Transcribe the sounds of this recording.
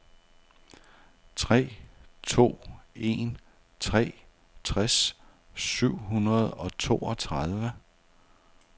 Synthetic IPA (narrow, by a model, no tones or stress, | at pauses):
t͡sʰʁɛ̰ːt͡sʰo̝̰ːe̝n | t͡sʰʁɛ̰ː | t͡sʰʁɛs | syʊ̰ɦunɐð̞ˠɒ̽t͡sʰo̝̰ːɒ̽t͡sʰʁað̞ˠʋə